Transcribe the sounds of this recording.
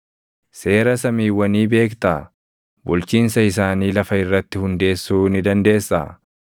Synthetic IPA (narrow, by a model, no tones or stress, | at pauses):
se̞ːɾɐsɐmiːwːɐniːbe̞ːkt̪aː | bʊlt͡ʃiːnsɐɪsaːniːlɐfɐɪrːɐt̪ːɪhʊnd̪e̞ːsːuːnɪd̪ɐnd̪e̞ːsːa̰ː